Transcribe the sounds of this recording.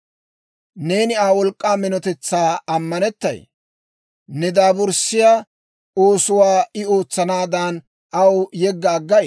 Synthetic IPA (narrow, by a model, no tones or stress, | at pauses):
ne̞ːnɪaːwɔlkʼːaːmɪnɔt̪ɛt͡sːaːɐmːɐnɛt̪ːɐ̰j | nɛd̪aːbʊɾsɪja | oːsʊwaːɪo̞ːt͡sːɐnaːd̪aːn | ʔɐwjɛɡːɐːɡːɐj